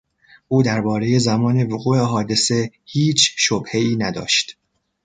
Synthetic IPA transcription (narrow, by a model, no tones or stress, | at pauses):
ʔuːd̪æɾbɒːɾe̞je̞zæmɒːne̞voɣuːeɦɒːd̪e̞se̞hiːt͡ʃʰʃobhe̞iːnæd̪ɒ̰ːʃt̪